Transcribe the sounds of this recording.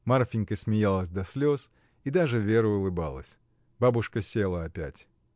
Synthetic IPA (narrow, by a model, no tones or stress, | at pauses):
marfʲɪnʲkəsʲmʲɪjalˠəsʲd̪ɐsʲlʲos | id̪aʐɨvʲe̞ɾʊʊlˠɨba̰lˠə̰sʲ | babʊʂkəsʲelˠəɐpʲætʲ